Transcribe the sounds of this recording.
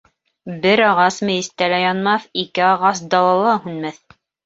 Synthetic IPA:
bɘɾɑʁɑsmɘ̆jɘ̆st̪ælæjɑnmɑθikɘɑʁɑs̬d̪ɑlˠɑlˠɑhʉnmæθ

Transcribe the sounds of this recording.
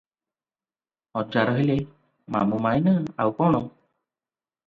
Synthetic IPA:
ɔt͡ʃaɾɔɦele | ma̰mumajnaawkɔɽ̃ɔ

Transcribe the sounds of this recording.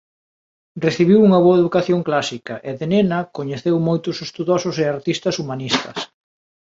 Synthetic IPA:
reθiβiwuŋɐβoɐeðukaθjoŋklasikɐʔeðenenɐkoɲeθewmojt̪ʊsest̪uðosʊseaɾt̪ist̪ɐsumanist̪ɐs

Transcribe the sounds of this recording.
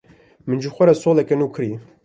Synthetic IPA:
mɨnʒuxʷɐɾɛsoːlɛkɛnuːkʰɨɾi

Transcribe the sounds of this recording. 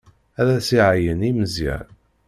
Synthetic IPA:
æðæsiʕajəniməzɪ̰ɾ

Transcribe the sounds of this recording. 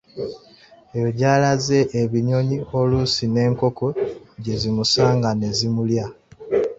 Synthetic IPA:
ejo̞ɟaːlaze̞ʔːβiɲo̞ɲio̞lusine̞ːŋko̞ko̞ɟe̞zimusaːŋɡane̞zimulja

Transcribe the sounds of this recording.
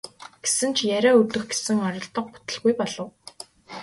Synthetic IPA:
ɡ̥e̥sɘ̆nt͡ɕʰjæɾʲæːɵrt̪ɵ̆xɡe̥sɘ̆ŋɔɾʲɞ̆ɮt̪ɞ̆q̚pʊ̥t̪ə̆ɮɣujpɔɮɞ̆w

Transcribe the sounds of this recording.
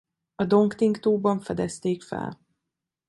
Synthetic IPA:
ɒd̪o̞ŋkt̪iŋkt̪oːbɒɱfɛd̪ɛst̪eːkfɛ̰l

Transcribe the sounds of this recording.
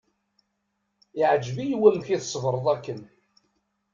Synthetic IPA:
ɪʕd͡ʒvijwæmçiθsˤvɾˤəðˤækːən

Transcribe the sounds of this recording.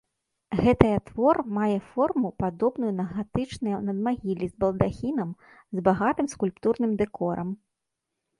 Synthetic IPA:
ɣɛt̪ɐjɐt̪vɔrmajɛfɔrmupad̪ɔbnujunɐɣat̪ɨt͡ʂnɐjɐnɐd̪maɣʲilʲizbɐlˠd̪axʲinɐm | zbaɣat̪ɨmskulʲpt̪urnɨmd̪ɛkɔɾɐ̰m

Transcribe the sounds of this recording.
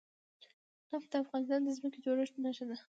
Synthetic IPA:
afd̪aafɣɑnɪs̬t̪ɑnd̪əzməked͡ʒoɾəʃnaʃad̪a

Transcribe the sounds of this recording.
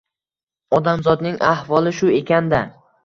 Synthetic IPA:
ɒd̪amzɒd̪nɪŋahvɒlˠɪʃʊe̞kʲand̪a

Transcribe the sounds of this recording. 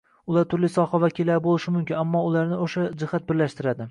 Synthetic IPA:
ʊlˠaɾt̪ʰʊɾlɪsɒhavakʲɪlːaɾbolˠɪʃɪmʊmkʲɪnamːɒʊlˠaɾnɪoʃad͡ʒɪhat̪̚bɪɾlaʃt̪ɪɾad̪ɪ

